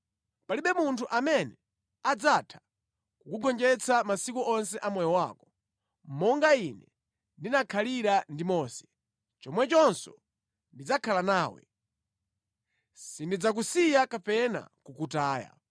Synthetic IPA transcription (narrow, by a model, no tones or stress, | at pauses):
paliɓɛmuntʰuʔamɛnɛ | ad͡zatʰḁ | kukuɡɔnd͡ʒɛt͡sʰamasikuʔɔnsɛʔamɛjɔwakɔ̥ | m̩mɔŋɡainɛ | ndinakʰaliɾandimɔːsɛ̥ | t͡ʃɔmwɛt͡ʃɔnsɔ | ndid͡zakʰalanaːwɛ̰ | sindid͡zak̬usijakapɛna̰kukutaːja̰